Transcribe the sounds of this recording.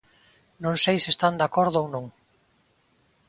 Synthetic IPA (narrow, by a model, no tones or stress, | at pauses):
nõŋsejsiest̪and̪akɔɾðʊownõŋ